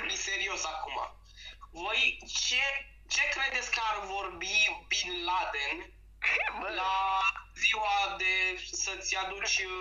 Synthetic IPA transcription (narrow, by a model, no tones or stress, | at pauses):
mise̞ɾio̞sakuma̰ | vo̞jt͡ʃe̞ | t͡ʃe̞kɾe̞d̪et̪sʲkəarvo̞rbibinlad̪e̞n | laziwad̪e̞sət̪sʲjad̪ut͡ʃʲɨ